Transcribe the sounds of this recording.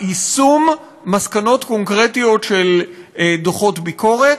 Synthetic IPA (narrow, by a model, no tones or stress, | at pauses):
isumː | askano̞t̪ko̞ŋkʁe̞tijo̞tʃeldoχo̞tbiko̞ʁet